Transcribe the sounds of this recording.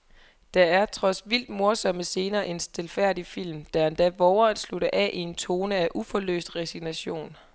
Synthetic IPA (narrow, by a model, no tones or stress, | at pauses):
d̥ɑ̈æɐt͡sʰʁɒ̽sʋil̰d̥mo̝ɐsɒ̽məse̝ːnɐːʔe̝nsd̥elfæɐ̰d̥ifil̰md̥æend̥æʋɒʊɐnsluɾɐʔɛʔie̝nt͡sʰo̝ːnəæʔufɒ̽lø̰ːsd̥ʁesiɡ̥næɕo̝̰ːn